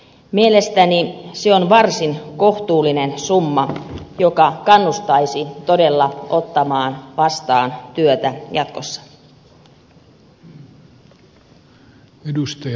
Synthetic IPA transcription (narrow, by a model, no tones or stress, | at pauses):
mielest̪æniseonʋɑrsinko̞ht̪uːlːinensumːɑjokɑkɑnːust̪ɑisit̪odelːɑo̞t̪ːɑmɑːnʋɑst̪ɑːnt̪yøt̪æjɑt̪kosːɑ̥ | edust̪ɑ